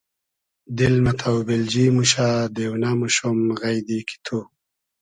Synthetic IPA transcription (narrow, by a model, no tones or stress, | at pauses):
d̪ɪlmat̪ʰawbɪld͡ʒimuʃad̪ewnamuʃomɣajd̪ikʰi̥t̪ʰu